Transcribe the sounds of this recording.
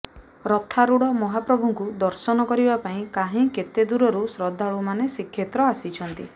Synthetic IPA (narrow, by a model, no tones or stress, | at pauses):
ɾɔt̪ʰaɾuɽɔmɔɦapɾɔbʱuŋkud̪ɔɾsɔnɔkɔɾibapaĩkaɦĩket̪ed̪uɾɔɾusɾɔd̪ʱːaɭumanesikʰːjet̪ɾɔasit͡ʃʰɔnt̪i